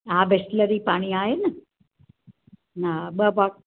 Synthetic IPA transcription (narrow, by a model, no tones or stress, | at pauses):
ãbesləɾiːpaːɽ̃iaːɦenɐ | naɓəba